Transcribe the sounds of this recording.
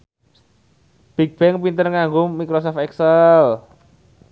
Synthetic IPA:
b̥ik̚b̥ɛŋpint̪ərŋaŋɡʊmikɾosɔft̪ɛksəl

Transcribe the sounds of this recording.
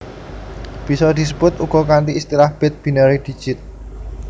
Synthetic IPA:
b̥i̤sɔd̪̥i̤səb̥ʊt̪uɡ̥ɔ̤kant̪iːst̪iɾahb̥ɛt̪̚b̥inəɾid̪̥i̤̥d͡ʒ̥ɪt̪̚

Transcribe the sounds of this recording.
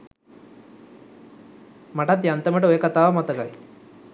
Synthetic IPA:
maʈat̪jant̪əməʈəojəkat̪aːʋɐmat̪əkaj

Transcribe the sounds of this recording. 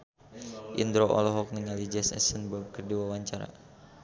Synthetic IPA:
ʔḭnd̪ɾoʔɔ̰lɔɦɔk̚nəŋalid͡ʒɛsɛ̰sənbab̚kərdiwawaɲt͡ʃaɾa̰

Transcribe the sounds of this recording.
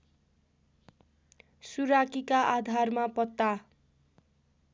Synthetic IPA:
suɾakikaʔad̪ʱarmapʌt̪ːa

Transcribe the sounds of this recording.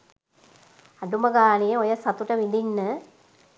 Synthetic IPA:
aɖuməɡaːnejəojəsat̪uʈəʋind̪inːə

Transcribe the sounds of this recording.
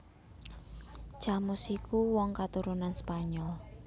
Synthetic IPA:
t͡ʃamusikuwɔŋkat̪uɾunanspaɲɔl

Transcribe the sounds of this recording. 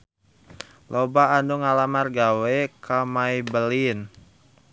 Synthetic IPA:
lʔobaːnduŋalamarɡawɛkamajbəlin

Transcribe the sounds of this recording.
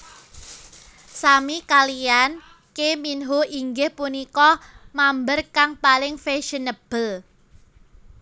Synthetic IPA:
samikalijan | keminɦoʔiŋɡɪhpunikɔmambərkaŋpalɪŋfeʃənəb̥əl

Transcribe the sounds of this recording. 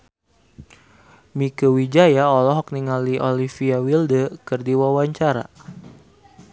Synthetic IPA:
mikəwid͡ʒajaɔlɔɦɔk̚niŋaliʔɔlifiawildəkərdiwawaɲt͡ʃaɾa̰

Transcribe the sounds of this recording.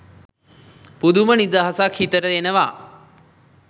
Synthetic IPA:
pud̪ʱumənid̪aɦəsaːkʰiːt̪əɾəenəʋaː

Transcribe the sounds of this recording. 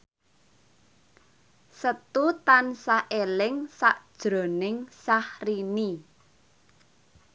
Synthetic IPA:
sət̪ut̪ansaʔelɪŋsaʔd̥ʒ̥ɾo̤nɪŋsahrini

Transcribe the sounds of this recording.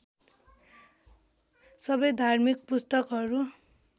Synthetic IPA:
sʌbʌjd̪ʱarmik̚pust̪ʌkɦʌɾu

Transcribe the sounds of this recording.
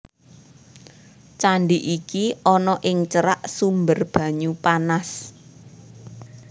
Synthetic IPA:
t͡ʃaɳɖiʔikiɔnɔʔɪŋt͡ʃəɾaʔsumbərb̥ä̤ɲupanas

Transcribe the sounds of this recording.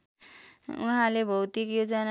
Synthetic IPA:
ṵɦãlebʱəwt̪ikjod͡zʌn

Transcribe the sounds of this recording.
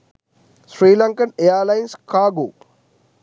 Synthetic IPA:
sɾiːlɐŋkɐnejaɾlajnskaːɡoː

